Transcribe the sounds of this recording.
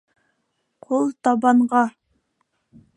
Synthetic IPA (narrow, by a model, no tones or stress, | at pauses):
qʰolˠt̪ʰɑbɑɴʁɑ